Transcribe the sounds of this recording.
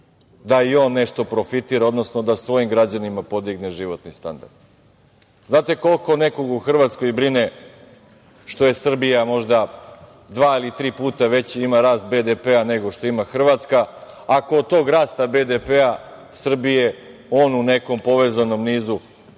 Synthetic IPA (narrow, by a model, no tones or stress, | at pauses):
d̪aio̞ːnːe̞ʃt̪o̞pɾo̞fit̪iːɾao̞d̪no̞sno̞d̪asʋo̞jimɡɾad͡ʑanimapo̞d̪iɡneʒiʋo̞t̪nist̪a̰nd̪a̰ɾd̪ | znaːt̪e̞ko̞lˠko̞ne̞ko̞ɡuxr̩ʋat̪sko̞jbɾine | ʃt̪o̞je̞sr̩bijamo̞ʒd̪a | d̪ʋaːilit̪ɾiːpuːt̪aʋe̞t͡ɕiimaɾaːst̪̚bed̪epeane̞ɡo̞ʃt̪o̞imaxr̩ʋat̪skaː | koːd̪̚t̪o̞ːɡɾaːst̪abe̞d̪epea | sr̩bije̞ | o̞ːnune̞ko̞mpo̞ʋe̞zano̞mniːzu